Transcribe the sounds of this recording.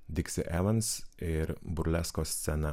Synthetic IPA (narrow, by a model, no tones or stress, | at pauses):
d̪ʲɪksʲɪʔɛʋɐnsɪɾbʊɾʲlʲɛskoːsʲt̪sʲɛnɐ